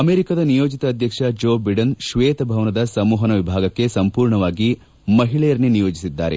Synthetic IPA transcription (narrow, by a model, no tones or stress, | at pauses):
ɐmeːɾikad̪ɐnijoːd͡ʒit̪ɐːd̪ʱjɐkʂɐd͡ʒoːbiɖɐnʃʋeːt̪ɐbʱɐʋɐnɐd̪ɐsɐmuːɦɐnɐʋibʱaːɡɐkːe̞sɐmpuːɾɳɐʋaːɡi | mɐɦiɭɛjɐɾninijoːd͡ʒisid̪ːa̰ːɾe̞̰